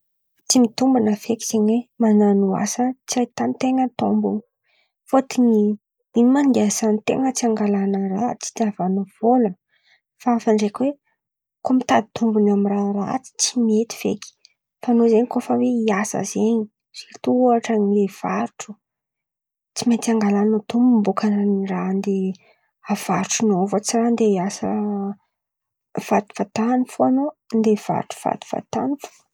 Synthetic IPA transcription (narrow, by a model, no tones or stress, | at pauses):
t͡simit̪umbanəfeki̥z̥eɲwemananua̰sət͡siajt̪anit̪eŋət̪o̰mbun | fot̪iɲi | imand̪asant̪ḛŋət͡siaŋɡalanərat͡si̥d̪avanuv̥ola | faafaɳɖ͡ʐekʲwe | komit̪ad̪it̪umbunamiranra̰t͡si̥t͡simiet̪i̥v̥ḛki̥ | fanozeɲikofəweiasə̰zeɲi | z̥it̪uaʈ͡ʂənilev̥aɾuʈ͡ʂu̥ | t͡simet̪iaŋɡalanot̪umumbukananirand̪e | av̥aɾʈ͡ʂunovət͡sirand̪eiasə̰ | v̥at̪i̥v̥at̪anifuanond̪ev̥a̰ɾʈ͡ʂu̥v̥a̰t̪u̥v̥a̰t̪anifu̥